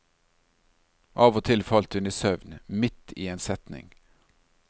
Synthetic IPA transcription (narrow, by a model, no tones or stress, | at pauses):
ʔɑːʋɔt̪ʰɪlfɑlt̪hʉniːsœʋnmɪt̪ḭːeːnsɛt̪nɪ̰ŋ